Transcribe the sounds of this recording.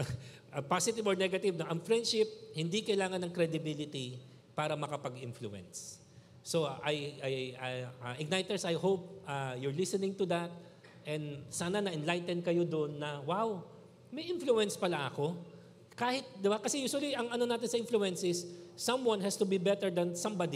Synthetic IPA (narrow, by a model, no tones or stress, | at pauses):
ɐpasɪt̪ɪvɔɹnɛɡɐt̪ɪvnoʔɐŋfɹɛ̃nd̪ʃɪp̚hɪnd̪ikɐjlaːŋɐnːɐŋkɾɛd̪ɪbilɪt̪i | paːɾɐmɐkɐpɐɡʔɪnflʊʔɛ̰nsː | oʔɐjʔajaɐʔɪɡ̚najt̪ɛɹsɐjhowp̚ʔɐjʊɹlɪsɛnɪ̃ŋt̪ʊd̪ɐt̪̚ | ʔɛ̃nd̪saːnɐnɐʔɪnlajt̪ɛnd̪̚kɐjod̪oʔnːɐwaw | mɐjʔɪnfluɛnspɐlaʔɐko̞ | kaːhɪt̪̚d̪ɪbakɐsɛjuːswɐliʔɐŋɐnonaːt̪ɪnsɐʔɪ̃nflʊɛnsɪsːɐ̃mwɐ̃nhɛst̪ʊbibɛt̪ɛɹd̪ɐnsɐ̃mbad̪i